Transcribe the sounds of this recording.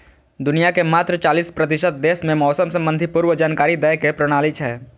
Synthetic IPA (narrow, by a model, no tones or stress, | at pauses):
d̪ʊnijakemaːt̪ɾət͡ʃaːliːspɾɐt̪ɪʃət̪̚d̪eːsmẽmɔːsəmsɐ̃mbə̃nd̪ʱipuːɾwəd͡ʒaːnkaːɾid̪əjkepɾəɽ̃aːlɪt͡ʃɦɛː